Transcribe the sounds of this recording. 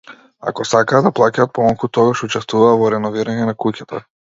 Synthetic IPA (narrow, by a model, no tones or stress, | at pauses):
a̰kɔsakaːd̪aplˠacaːt̪̚pɔmalˠkut̪ɔɡaʃut͡ʃɛst̪vuvaːvɔɾɛnɔviɾaɲɛnakucat̪a̰